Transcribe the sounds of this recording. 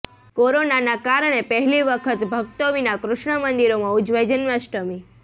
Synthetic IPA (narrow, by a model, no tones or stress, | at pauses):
koɾonanakaɾɳ̃epəɦliʋəkʰət̪bʱəɡt̪oʋinakɾʊʃɳəmənd̪iɾomãʊd͡ʒʋed͡ʒənmaʃʈəmi